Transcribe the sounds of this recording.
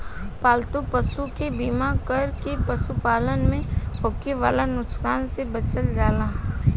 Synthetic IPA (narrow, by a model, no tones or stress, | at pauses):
paːlt̪opəsukebiːmakəɾkepɐsupaːlənmẽɦɔːkːeʋaːlanʊkskaːnsebɐt͡ʃəld͡ʒaːlaː